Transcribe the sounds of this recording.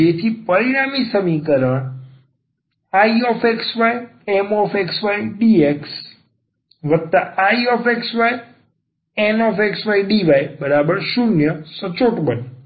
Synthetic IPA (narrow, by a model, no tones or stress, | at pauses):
et̪ʰipəɾiɽ̃amisəmikəɾəɳ | aiɔfʰeksʋajemɔfeksʋaiɖieks | ʋək̚t̪aaiɔfeksʋaj | enɔfeksʋajɖiʋajbəɾabəɾʃunjəsət͡ʃoʈbəne